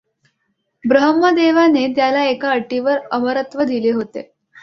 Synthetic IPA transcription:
bɾəɦəmːəd̪eʋanet̪jalaekaəʈːiʋəɾəməɾət̪ʋəd̪ileɦot̪ḛ

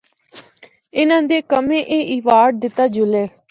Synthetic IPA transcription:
ɪnãːd̪eːkəmẽːʔeːʔiːʋaːɖ̚d̪ɪt̪ːaːd͡ʒʊleː

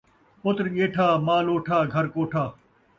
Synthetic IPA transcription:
pʊt̪ɾɠeːʈʰaːmaːloːʈʰaːɡʱɐɾkoːʈʰaː

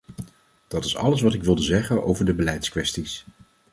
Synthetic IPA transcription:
d̥ɑtɪsɑ̰ləs̬ʋɑtɪkʋɪlˠdəzɛχənʔo̰wvəɹdəbəlɛjtskʋɛstis

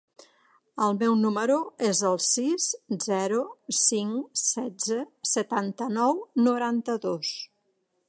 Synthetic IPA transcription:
əlˠmɛwnuməɾuezəlˠsiszɛɾusiŋsɛd͡zəsət̪ant̪ənɔwnuɾant̪əðos

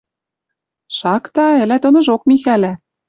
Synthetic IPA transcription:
ʃɑkt̪ɑɘ̆læt̪ɤ̆nɤ̆ʒok̚mixælæ

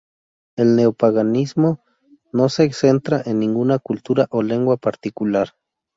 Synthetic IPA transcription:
elneopaɣanismo | noseːksent̪ɾaʔenːĩŋɡunakult̪uɾaʔoleŋɡwapaɾt̪ikulaɾ

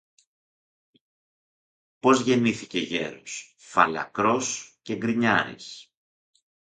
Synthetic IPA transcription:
po̞zʝe̞niθice̞ʝe̞̰ɾos | fɐlɐ̰kɾo̞sce̞ŋɡɾiɲɐɾḭs

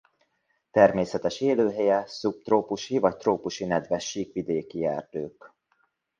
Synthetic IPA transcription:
t̪ɛrmeːsɛt̪ɛʃeːløːɦɛjɛsup̚t̪roːpuʃhivɒt̪ːroːpuʃinɛd̪ʋɛʃːiːkʋid̪eːkiɛ̰ːrd̪øːk

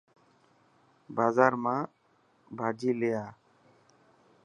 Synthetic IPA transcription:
bazaɾmã | bʱad͡ʒilɛja

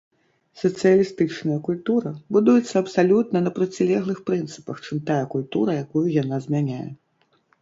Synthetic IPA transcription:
sɐt̪sɨjɐlʲist̪ɨt͡ʂnɐjɐkulʲt̪uɾɐbud̪ujɛt̪sːɐɐpsalʲut̪̚nɐnɐpɾɐt͡sʲilʲɛɣlˠɨxpɾɨnt̪sɨ̥pɐxt͡ʂɨmt̪ajɐkulʲt̪uɾɐjakujujanazʲmʲanʲajɛ̰

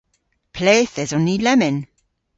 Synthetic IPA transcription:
pʰleːθɛzɔnilɛmɪn

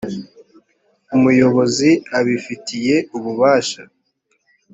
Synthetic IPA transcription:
umujo̞βo̞ziaβifitʰije̞uβuβaːʃa

